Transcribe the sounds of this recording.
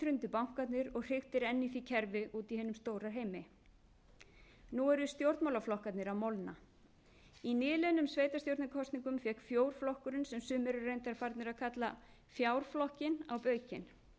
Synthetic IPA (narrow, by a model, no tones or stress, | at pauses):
ɾʏnt̪ʏpawŋ̥kat̪nɪɾɔɣr̥ɪxt̪ɪɾɛnːiθicʰɛɾvɪʔuːt̪iɦɛːnʏmst̪oːwɾaɾɦeːjmɪ | nuɛɾʏst̪jowɾt̪mawlaflɔhkat̪nɪɾawmɔwlna̰ | inɪːlɛnʏmsveːjt̪ast̪jowɾt̪nɪkʰɔst̪niŋkʏmfjɛhkfjoːwɾ̥flɔhkʏɾɪnsɛmsʏːmɛɾʏrejnt̪aɾfaɾt̪nɪɾaðkʰat̪la | fjaːwɾ̥flɔhcɪna̰wpœːɥcɪ̰n